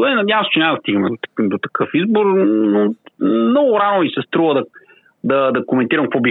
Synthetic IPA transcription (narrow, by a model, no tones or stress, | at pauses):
ɛnɐd̪javəst͡ʃɛnʲamɐd̪ɐst̪iɡəmɛd̪od̪ot̪ɐ̥kʰɤfizboɾnomnɔɡʊɾanomisɛst̪ɾuvəd̪ɐ | d̪ɐd̪ɐkomɛnt̪iɾɐmkɐkvɔbi